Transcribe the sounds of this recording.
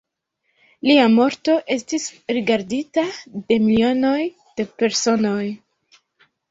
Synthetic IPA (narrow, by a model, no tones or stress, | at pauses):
liamo̞ɾto̞ʔe̞stisɾiɡaɾditade̞milio̞no̞j | d̥e̞pe̞ɾso̞no̞j